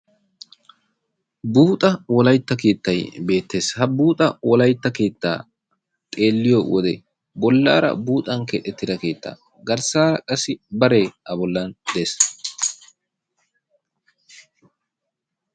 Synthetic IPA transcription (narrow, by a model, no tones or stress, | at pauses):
buːt̪ʼɐwɔlɐjt̪ːɐke̞ːt̪ːɐjbe̞ːt̪ːe̞ːshɐbuːt̪ʼɐwɔlɐjt̪ːɐke̞ːt̪ːa̰ː | t̪ʼe̞ːlːɪjowɔd̪ɛ | bɔlːa̰ːɾɐ̰buːt̪ʼɐŋket̪ɛt̪ːɪd̪ɐke̞ːt̪ːa̰ː | ɡɐɾsaːkʼɐsɪbɐɾeːɐbɔlːɐnd̪eːs